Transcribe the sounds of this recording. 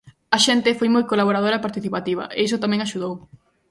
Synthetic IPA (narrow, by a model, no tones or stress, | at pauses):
ɐʃent̪ɪfojmojkolaβoɾaðoɾɐepaɾt̪iθipat̪iβɐ̰ʔeisʊt̪amɛ̃ŋaʃuð̞ow